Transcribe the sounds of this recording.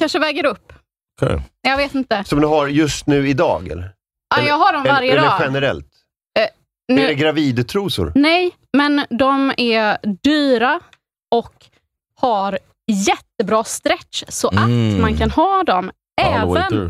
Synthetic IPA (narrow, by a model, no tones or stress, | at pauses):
kʰanʂəvɛːɡəɾɵpːʰ | jɑːɡveːt̪ɪnt̪əsɔmd̪ɛɦaɾjɵst̪nʉ̟ːɪd̪ɑ̰ːɡɛ̰lɾ | ajɑːɡɦaɖɔmvaɾjəd̪ɛːɧɛnəɾɛ̰lt̪ | nɛɛɡɾaviːd̪t̪ʰɾuːsʊ̰ɾnɛj | mɛnd̪ɔmæd̪yːɾa | ɔk | haɾ | jɛt̪ːəbɾɑːst̪ɾɛsɔʔat̪mankʰanhɑːd̪ɔm | ɛːvən